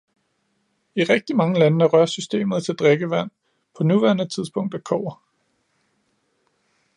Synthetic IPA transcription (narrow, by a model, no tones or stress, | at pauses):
iʁɛɡ̥̚d̥imɑ̈ŋəlænəæʁɶɐsysd̥e̝̰ːmð̞̩ˠt͡sʰe̝ld̥ʁeɡ̥əʋæn̰ | pʰɒ̽nuʋæɐnət͡sʰiðˠsb̥ʰɔ̽ŋ̰d̥ækʰɒ̰ːɐ